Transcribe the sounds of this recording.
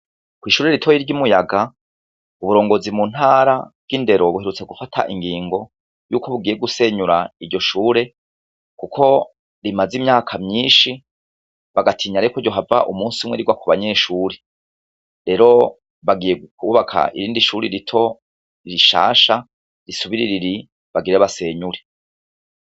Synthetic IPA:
kwiːʃuːɾeɾitʰo̞jiɾɟumujaɡa | uβuɾo̞ːŋɡo̞zimun̥haːɾab̥̚ɡ̥inde̞ɾo̞βuhe̞ɾut͡se̞ɡufatʰa̰ʔiŋɡiːŋɡo̞ | jṵːkʰo̞βuɡije̞ɡuse̞ɲuɾaiɾɟo̞ʃuːɾe̞ | kukʰo̞ | ɾimazimɲaːkʰamɲiːnʃi | βaɡatʰiːɲaɾekoɾɟo̞ɦava̰ʔumuːnsumŋweɾiɡwakʰuβaɲe̞ʃuːɾe | ɾe̞ɾo̞ | βaɡijeɡkuuβakʰa̰ʔḭɾiːndiʃuːɾiɾitʰo̞ | iɾiʃa̰ːʃa | ɾisuβiɾiɾiɾi | βaɡiɾeβase̞ːɲuɾe

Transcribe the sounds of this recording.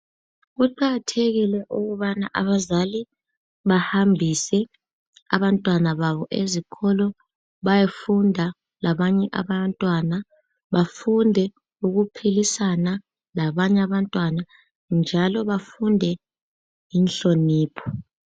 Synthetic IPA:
ɣuǃaɣatʰeɣilɛʔuɣuβana̰ʔa̰βazali | βahambʱisɛ | a̰βantʼwanaβaβɔʔezikʰɔlɔ | βajefundʱa | laβaɲɛʔa̰βantʼwana | βafundʱɛ | uɣupʰilisana | laβaɲɛaβantʼwana | nd͡ʒʱalɔβafundʱɛ | jinɬoniːpʰɔ̥

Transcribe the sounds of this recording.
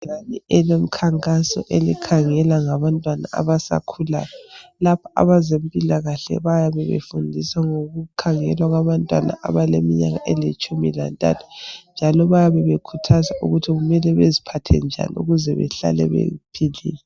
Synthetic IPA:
anɛɛlom̩kʰaŋkʼasɔ̰ʔelḭkʰaŋɛlaŋaβantʼwana̰a̰βasa̰kʰula̰ːjɔlapʰḁa̰βazempʼilaɣaɬɛ̰βajaβɛβḛfundʱisaŋoɣukʰaŋɛ̰lwaɣaβantʼwa̰na̰ʔaβalemiɲa̰ɣa̰ʔɛlet͡ʃʼumila̰ntʼa̰tʰu̥nd͡ʒʱalɔβajaβɛβekʰutʰazaʔuɣutʰiɣumɛlɛβezipʰatʰɛ̰nd͡ʒʱa̰nḭuɣuzɛβɛ̰ɬa̰lɛ̰βḛpʰilḭːlɛ

